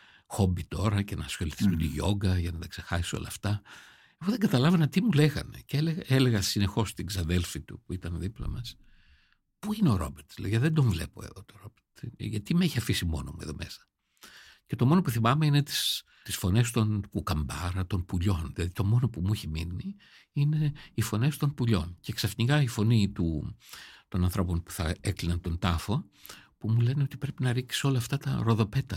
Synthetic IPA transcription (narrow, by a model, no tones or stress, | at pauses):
xo̞mbit̪o̞ɾɐcenɐsxo̞liθisund̪iʝo̞̰ɡɐʝɐnɐt̪ɐkse̞xɐsi̥so̰lɐːft̪ɐ | efoðe̞ŋɡɐt̪ɐlɐvɐnɐt̪imule̞ɣɐ̰nḛceeleɣɐele̞ɣɐsine̞xo̞st̪iɡzɐðe̞lfit̪ṵpuit̪ɐnðiplɐ̰mɐs | puineo̞ɾo̞̰beɾt̪sleʝɐðend̪o̞ɱvle̞po̞̰eðot̪oɾo̞beɾt̪ʝɐt̪imeeçiɐfisimo̞̰no̞mueðo̞me̞sɐ̥ | cet̪o̞mo̞nopuθimɐmeine̞t̪i̥s | t̪isfo̞ne̞st̪o̞nkukɐmbɐɾɐt̪o̞npuʎo̞nðilɐðit̪o̞mo̞no̞pumuiçemḭni | ine̞ifo̞ne̞st̪o̞npuʎo̞nce̞ksɐfnikɐifo̞nit̪u | t̪o̞nɐnθɾo̞ponpu̥θɐ̰eklinɐnt̪o̞nt̪ɐfo̞ | pumule̞neo̞t̪ipɾe̞pinɐɾikso̞lɐːft̪ɐt̪ɐ̰ɾo̞ðo̞pe̞t̪ɐ